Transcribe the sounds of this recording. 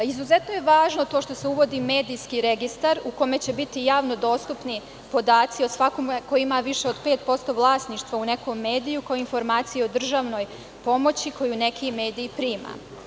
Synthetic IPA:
izuze̞t̪no̞je̞ʋaːʒno̞t̪o̞ːʃt̪o̞se̞uʋo̞d̪ime̞ːd̪ijskiɾe̞ɡist̪aɾuko̞me̞t͡ɕe̞bit̪ijaːʋno̞d̪o̞ːst̪upni | po̞d̪aːt̪sio̞sʋakomkojuimaʋiʃeod̪pe̞ːt̪̚po̞st̪o̞ʋlˠaːsniʃt̪ʋaune̞ko̞mːe̞ːd̪ijukaoinfo̞ɾmaːt̪sijeo̞d̪r̩ʒaʋno̞j | po̞mo̞t͡ɕiko̞june̞kʰime̞ːd̪ijːpɾiːma̰

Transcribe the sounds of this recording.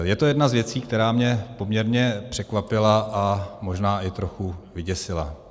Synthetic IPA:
jɛt̪o̞jɛdnazvjɛt͡siːk̚t̪ɛɾaːmɲɛpo̞mɲɛɾɲɛpr̝̥ɛkvapɪlaʔamo̞ʒnaːʔɪt̪ɾo̞xuvɪɟɛsɪla̰

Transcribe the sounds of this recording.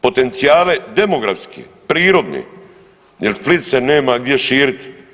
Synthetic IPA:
po̞t̪e̞nt̪sijaːle̞d̪e̞moɡɾa̰fskʰḭpɾiːɾod̪nḭ | jelplit̪seneːmaɡd̪jeʃiːɾit̪i̥

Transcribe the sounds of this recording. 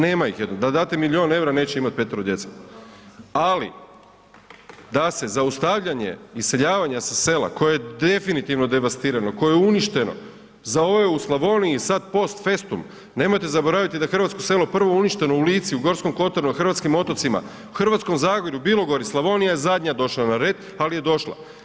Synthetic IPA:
ne̞ːmaixje̞d̪nod̪ad̪aːt̪emilio̞ːne̞wɾane̞ːt͡ɕeimat̪̚pe̞t̪eɾod̪je̞t̪se̥ | alḭ | d̪ase̞zaust̪aʋʎaɲe̞̰ise̞ʎaːʋaɲasase̞la̰ko̞jejed̪e̞finit̪iʋno̞d̪e̞ʋast̪iɾano̞ko̞jejeuniʃt̪e̞no̞̰ | zao̞ʋe̞uslˠaʋo̞niisad̪̚po̞st̪fe̞st̪um | ne̞mo̞jt̪e̞zabo̞ɾaʋit̪id̪axr̩ʋat̪sko̞se̞lo̞pr̩ʋouniʃt̪e̞no̞uliːt̪siuɡo̞ɾsko̞mko̞t̪onuxr̩ʋat̪skimo̞t̪o̞t̪sima̰ | uxr̩ʋat̪sko̞mzaːɡoʎubiːlˠo̞ɡo̞ɾislˠaʋo̞nijajezad̪ɲad̪o̞ʃlˠanaɾe̞ːd̪ | alije̞d̪o̞ʃlˠa̰

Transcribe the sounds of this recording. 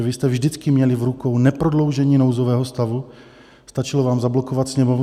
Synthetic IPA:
vɪst̪ɛvʒdɪt͡skɪmɲɛlɪvɾukownɛpɾodlo̞wʒɛɲiːnowzovɛːɦost̪avu | st̪at͡ʃɪlovaːmzablokovat̪sɲɛmov

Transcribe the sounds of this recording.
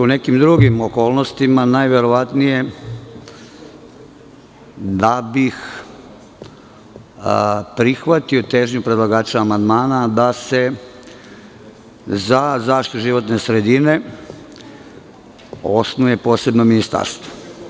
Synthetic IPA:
une̞kimd̪ɾuɡimo̞ko̞ːlˠno̞st̪imanajʋe̞ɾo̞ʋat̪nije̞ | d̪abix | pɾixʋat̪io̞t̪e̞ːʒɲupɾe̞d̪lˠaɡaːt͡ʃaːmand̪maːnad̪ase̞ | zazaːʃt̪it̪uʒiʋo̞t̪ne̞sɾe̞d̪ine̞ | o̞snuje̞po̞ːse̞bno̞minist̪a̰ɾst̪ʋo̥

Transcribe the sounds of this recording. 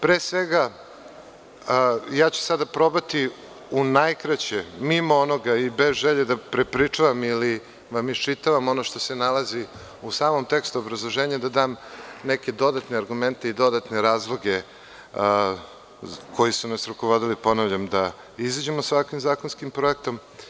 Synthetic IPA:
pɾeːsʋeɡa | jaːt͡ɕu̥sad̪apɾo̞bat̪i | unajkɾat͡ɕemimoono̞ɡaibe̞zʒeʎed̪apɾepɾit͡ʂaʋamili | ʋamit͡ʃit̪aʋamo̞noʃt̪o̞se̞nalˠazi | usaːmo̞mt̪e̞kst̪uobɾazlˠo̞ʒe̞ːɲad̪ad̪aːmneke̞d̪o̞d̪at̪neaɾɡume̞nt̪e̞id̪o̞d̪at̪neɾaːzlˠo̞ɡe̞ | kʰo̞jisunasɾukoʋod̪ilipo̞naʋʎamd̪a | izad͡ʑemosʋakʋimzaːko̞nskimpɾo̞ek̚t̪o̞m

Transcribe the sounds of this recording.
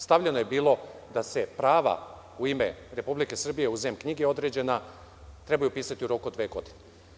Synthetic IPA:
st̪aʋʎenoje̞biːlˠo̞d̪ase̞pɾaːʋa̰ | uimeɾe̞publike̞sr̩bije̞uzeːmkɲiɡeo̞d̪ɾe̞ːd͡ʑe̞na | t̪ɾe̞bajupiːsat̪iuɾo̞kuod̪ʋeːɡo̞d̪ine

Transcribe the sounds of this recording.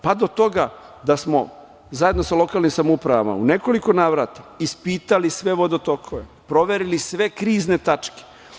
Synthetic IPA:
pad̪ot̪o̞ɡa | d̪asmo̰ | zaje̞d̪no̞salˠo̞kaːlnimsamoupɾaʋa̰ma̰ṵneko̞likonaːʋɾat̪ḁispiːt̪alisʋe̞ʋod̪ot̪okʰoʋe | pɾo̞ʋeɾilisʋe̞kɾiːzne̞t̪at͡ʃke̥

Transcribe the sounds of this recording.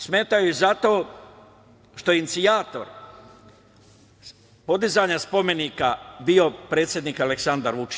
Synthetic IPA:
sme̞ːt̪ajuezat̪o̞ː | ʃt̪o̞jeinit̪siaːt̪o̞̰ɾ | po̞d̪izaːɲaspo̞me̞nikabio̞pɾe̞ːt̪sʲje̞d̪niːkaleksand̪aɾʋut͡ʃi̥

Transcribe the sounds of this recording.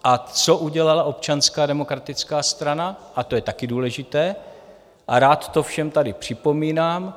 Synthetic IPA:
ʔat͡so̞ʔuɟɛlalaʔo̞p̚t͡ʃanskaːdɛmo̞kɾat̪ɪt͡skaːst̪ɾanaʔat̪ojɛt̪akɪduːlɛʒɪt̪ɛː | ʔaɾaːt̪ːo̞fʃɛmt̪adɪpr̝̥ɪpo̞miːnaːm

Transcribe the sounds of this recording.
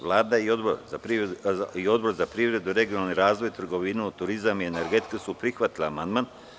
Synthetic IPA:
ʋlˠaːd̪aiod̪boɾa | io̞d̪bo̞ɾzapɾiːʋɾe̞d̪uɾe̞ɡionalniɾaːzʋo̞jt̪r̩ɡo̞ʋinuut̪uɾizamiene̞ɾɡet̪k̪esupɾixʋat̪ilaːmand̪man

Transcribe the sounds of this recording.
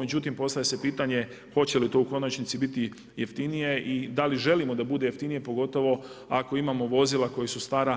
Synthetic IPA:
med͡ʑut̪impo̞st̪avjese̞piːt̪aɲe̞ | xo̞t͡ɕe̞lit̪o̞uko̞nat͡ʃnit̪sibit̪i | jeft̪inije̞ʔid̪aliʒe̞limo̞d̪abud̪e̞jeft̪inije̞po̞ɡo̞t̪o̞ʋo̞ako̞imaːmo̞ʋo̞zilˠako̞jesust̪aːɾa

